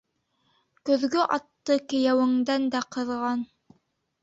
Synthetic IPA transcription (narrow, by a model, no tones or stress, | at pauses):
kɵ̆ðɡɵʔɑt̪ːɤkɘ̆jæwɘ̆ŋd̪ænd̪æqɤ̆ðʁɑn